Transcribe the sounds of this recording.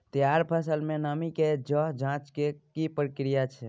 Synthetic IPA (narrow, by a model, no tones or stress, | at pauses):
t̪jaɾpʰəsəlmẽnamiked͡ʒəɦd͡ʒãt͡ʃkekipɾəkɾijat͡ʃʰɛ